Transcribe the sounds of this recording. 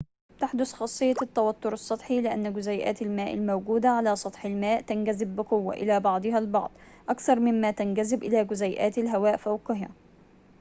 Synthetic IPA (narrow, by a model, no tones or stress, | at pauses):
t̪aħd̪ʊθxɑsˤːɨjːɑt̪ːawat̪ːʊɾɑsˤːɑt̪ˤħilɪʔa̰nːɡʊzajʔa̰ːt̪almaːʔa̰lmawɡuːd̪aʕalaːsˤɑt̪ˤħɪlmaːʔt̪anɡazɪbːɪqʊwːa̰ʔɪ̰laːbɑʕd̪ˤɨhalbɑ̰ʕd̪ˤ | ʔakθɑɾˤmɪmːaːt̪anɡazɪbʔɪlaːɡʊzajʔaːt̪alɦawaːʔfawqɪɦa̰